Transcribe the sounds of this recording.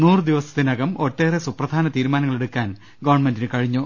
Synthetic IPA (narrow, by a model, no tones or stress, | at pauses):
nuːrɨd̪iʋɐsɐ̥t̪ːinɐɡɐmo̞tːe̞ːresuprɐd̪ʱaːnɐt̪iːɾumaːnɐŋːɐɭe̞ɽukːaːn | ɡɐʋɐɳmendinɨkɐɻiɲːo